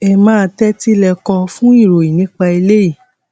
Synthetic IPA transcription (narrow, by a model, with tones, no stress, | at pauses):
ɛ˧mãː˦˧tɛ˦ti˦lɛ˧kɔ̃˧fũ˦i˦˨ɾo˨i˨nĩ˨˦k͡pa˧i˧le˦i˦˨